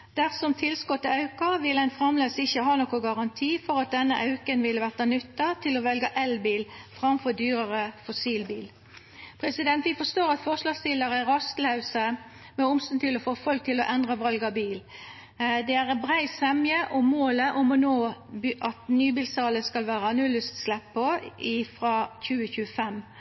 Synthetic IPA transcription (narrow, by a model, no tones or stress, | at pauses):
d̪̥æʁsɔmt̪ʰɪlskɔt̪ːɑʉkɑʋɪlæɪnfɾɑmløːd̪əsɪçːəɦɑːnɔkʊɡɑʁɑnt̪ʰiːfɔʁɑt̪̚d̪ɛnːəʔɑʉkənʋɪlːəʋæʁt̪ɑnʏt̪ːɑt̪ʰɪlɔʋɛlɡəʔɛlbiːlfʁɑmfɔd̪yːʁəʁəfɔsiːlbiːl | pʰʁɛsɪd̪ɛnt̪ʋɪfɔʂt̪oːʁɑt̪fɔʁʂlɑːɡst̪ɪləʁəɾɑst̪lɑʉsəmɛʊmst̪ɑnt̪ʰɪlɔfoːfɔlk̚t̪ʰɪlɔʔɛnd̪ʁəʋɑlɡɑbiːl | d̪ɛæʁɛbʁæɪsɛmjəʔɔmoːləʔʊmɔnoːʔɑt̪nyːbiːlsɑːləskɑlʋæːʁəɑnʉlʉst̪slɛpːɔɪfʁɑːçʉːəçʉːəfɛm